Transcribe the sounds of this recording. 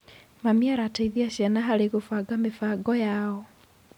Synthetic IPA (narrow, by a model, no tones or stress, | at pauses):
mamiaɾataiðiaʃjanaɦaɾeɣofaɡamefaɡɔjaɔ